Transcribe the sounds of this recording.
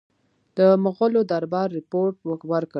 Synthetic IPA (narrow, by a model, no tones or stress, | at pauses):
d̪̥əmʊɣolod̪aɾbɑɾːɪpoɾʈ̚wəkwəɾkə